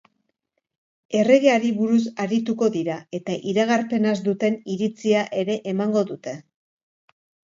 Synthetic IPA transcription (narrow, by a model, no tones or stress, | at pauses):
e̞re̞ɣe̞aɾiβuɾus̬aɾit̪uko̞ðiɾae̞t̪aʔiɾaɣ̞aɾpe̞nazd̪ut̪e̞niɾit͡siaʔe̞ɾe̞ʔemaŋɡo̞ðut̪e̞